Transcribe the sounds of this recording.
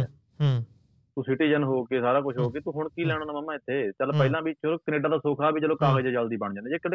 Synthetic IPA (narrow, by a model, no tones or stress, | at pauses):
t̪ũːsɪʈiːd͡ʒənɦoːkeːsaːɾaːkʊʃʰɦoːkeːt̪ũːɦʊɳkiːlɛːɽ̃oːnãːməmːãːɪt̪ʰːeːt͡ʃəlpəɪlãːbiːt͡ʃəloːkəneːɖãːd̪aːsoːkʰaːbʱiːt͡ʃəloːkaːɣəd͡ʒeːt͡ʃəld̪iːbəɳd͡ʒãːnːd͡ʒeːkəɽ